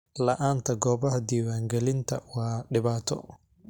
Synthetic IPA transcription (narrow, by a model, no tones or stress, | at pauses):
lɐʔaːnt̪ʰɐɡɔːbɐɦɐd̪iːwaːŋɡɛlɪnt̪ʰɐwɑːɖɪβaːt̪ʰɔ̰